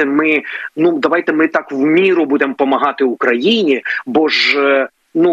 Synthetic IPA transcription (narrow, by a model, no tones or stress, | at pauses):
ɛmɪnud̪ɐʋɑjt̪ɛmɪt̪ɑkwmʲiɾʊbud̪empɔmɐɦɑt̪ɪʊkɾɐjinʲibɔʒ | nu